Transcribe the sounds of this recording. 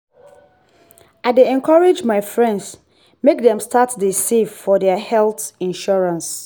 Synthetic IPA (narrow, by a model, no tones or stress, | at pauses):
aɪdeɛ̃nkʰɔɹed͡ʒmaɪfɹɛ̃nds | mekdɛ̃mstʰatdisivfɔdɛəhɛlθĩnʃɔɹãns